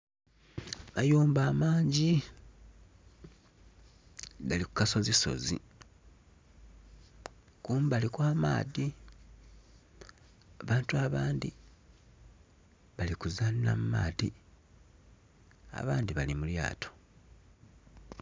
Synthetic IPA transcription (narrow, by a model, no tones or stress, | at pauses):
majuːmbaːmaːɲɟi | ɡalikukaso̞ziso̞̰zḭ | kuːmbalikwaːma̰ːði | aβaːntuaβaːndi | βalikuzanna̰muma̰ːði | a̰βaːndiβalimulja̰ːtʰo̥